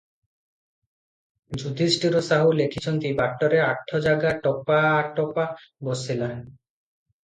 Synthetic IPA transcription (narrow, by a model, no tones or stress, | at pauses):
d͡ʑud̪ʱisʈiɾosaɦulekʰit͡ɕʰont̪ibaʈːoɾeaʈʰːod͡ʑaɡaʈɔpaʈɔpabosʰilan